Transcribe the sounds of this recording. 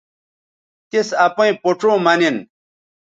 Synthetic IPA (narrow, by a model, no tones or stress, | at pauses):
t̪isɐpɐ̃ĩpoʈ͡ʂoːmɐnin